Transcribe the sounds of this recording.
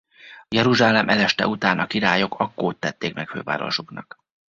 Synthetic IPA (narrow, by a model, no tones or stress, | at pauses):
jɛɾuʒaːlɛmʔɛlɛʃt̪ɛ̰ut̪aːnʔɒkiɾaːjo̞kɒkːoːt̪ːɛt̪ːeːkmɛkfø̰ːva̰ːɾo̞̰ʃuknɒk